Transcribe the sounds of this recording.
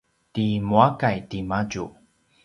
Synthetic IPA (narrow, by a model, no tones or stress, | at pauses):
timuakajtimaɟu